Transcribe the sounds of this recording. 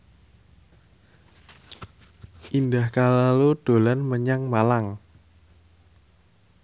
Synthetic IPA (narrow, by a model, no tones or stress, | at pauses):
ʔind̪ahkalalud̪̥o̤lanməɲaŋmalaŋ